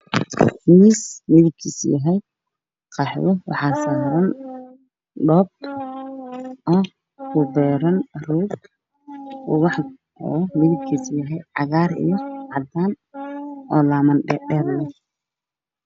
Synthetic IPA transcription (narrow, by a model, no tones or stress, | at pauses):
mismɪðɪb̚kʰiːsjɐɦɛj | qɑħwɔwɑ̰ħɑːsaːɾɐn | ɖɔːb̚t̪ | ʔɔː | kʊbɛːɾɐnruːd | ʊ̰ɣɑħ | ɔ̰ːmɪðɪb̚kʰiːsjɐɦɛjʕɑɣaːɾɪ̰jɔʕɑd̪aːn | ɔːlaːmɐnɛɖɛːɾlɛ